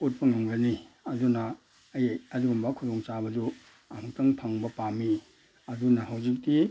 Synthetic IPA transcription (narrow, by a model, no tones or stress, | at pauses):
ut̚pɐŋaŋɡɐni | ɐdunaː | jjɐzuɡumbɐkʰudɔŋt͡ʃabɐd͡ʒu | amutɐŋtʰaŋbɐpami | ɐdunɐɦawzik̚ti